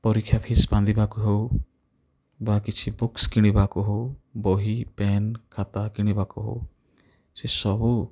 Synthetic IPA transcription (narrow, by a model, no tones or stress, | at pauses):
pɔɾikʰːjapʰisbãnd̪ibaːkoɦo | bakit͡ʃʰibʊkskɪɽ̃ibaːkoɦoːboːɦipɛːnkʰaːt̪akɪɽ̃ibaːkoɦo̰ | sesɔbu